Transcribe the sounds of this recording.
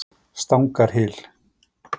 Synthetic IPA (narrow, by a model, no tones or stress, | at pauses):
st̪awŋkaɾ̥ɦɪl